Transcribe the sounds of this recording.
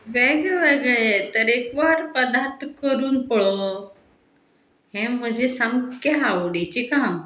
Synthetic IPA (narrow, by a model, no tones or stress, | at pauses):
ʋeɡeʋəɡɭet̪əɾekʋaɾpəd̪aɾt̪ʰkəɾuːnpəɭo | ɦɛ̃m̤ə̃d͡ʑʱesəmkəɦaʋuɖet͡ɕikãm